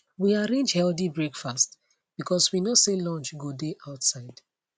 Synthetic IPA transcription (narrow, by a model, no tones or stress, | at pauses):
wiaɹẽnd͡ʒhɛldibɹekfast | b̥ikʰɔswinoselɔ̃nt͡ʃɡodeʔaʊtsaɪd̥